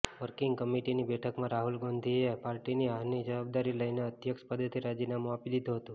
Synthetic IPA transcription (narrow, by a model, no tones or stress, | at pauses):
ʋəɾkiŋɡkəmiʈinibɛʈʰəkmãɾaɦulɡond̪ʱiepaɾʈiniaɦnid͡ʒəʋab̚d̪aɾiləjneət̪jəkʃpəd̪ʱːət̪ʰiɾad͡ʒinamõapilid̪ʱuɦət̪ũ